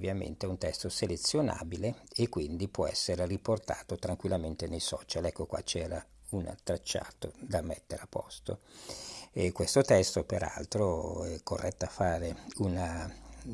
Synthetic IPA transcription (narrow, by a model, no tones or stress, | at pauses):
vːjamḛnt̪eunt̪ɛst̪oselet̪sːjona̰ːbileekːwind̪ipwɔɛ̰sːeɾeriport̪aːt̪ot̪ɾaŋkwilːament̪enejsɔːt͡ʃalɛkːokwa̰t͡ʃɛːɾauna̰t̪ɾat͡ʃːa̰ːt̪od̪amet̪ːeɾapːɔst̪o̰ | ekːwest̪ot̪ɛst̪opeɾa̰lt̪ɾoɛkːorːʔɛt̪ːoafːaːɾeuna